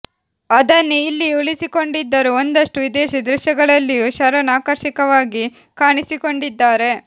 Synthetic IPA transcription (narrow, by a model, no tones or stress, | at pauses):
ɐd̪ɐnːuilːiuɭisiko̞ɳɖid̪ːɐɾuond̪ɐʂʈuʋid̪eːʃid̪ɾuʃjɐɡɐɭɐlːijuʃɐɾɐnaːkɐɾʃikɐʋaːɡi | kaːɳisiko̞ɳɖid̪ːaːɾe̞